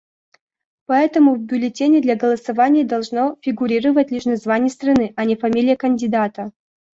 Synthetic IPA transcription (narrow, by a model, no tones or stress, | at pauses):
pɐɛt̪əmʊvbʲʊlʲɪtʲenʲɪd̪lʲaɡəlˠəsɐvanʲɪjəd̪ɐlˠʐnofʲɪɡʊɾʲiɾəvətʲlʲiʂnɐzvanʲɪjəst̪rɐnɨʔɐnʲɪfɐmʲilʲɪjəkənʲdʲɪd̪at̪ə